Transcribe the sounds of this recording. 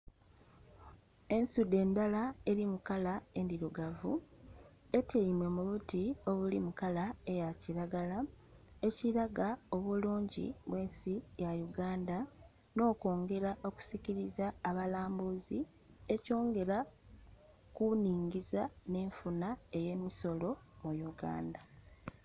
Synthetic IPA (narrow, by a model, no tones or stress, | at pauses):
e̞nsude̞ːndalae̞ɾimukalae̞ndiɾuɡavṵ | e̞tʰeimwe̞muβutio̞βulimukalae̞jaciɾaɡala | e̞ciɾaɡao̞βuluːɲɟḭβwe̞ːnsijajuɡaːnda | no̞ːko̞ːŋɡe̞ɾaʔo̞ku̥siciɾizaːβalaːmbuzi | e̞co̞ːŋɡe̞ɾa | kuniːŋɡizane̞ːɱfunae̞je̞ːmiso̞lo̞mujuɡa̰ːnda